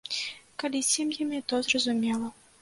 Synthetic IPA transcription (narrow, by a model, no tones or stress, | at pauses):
kalʲisʲɛmjɛmʲɛt̪ɔzrɐzumʲɛlˠɐ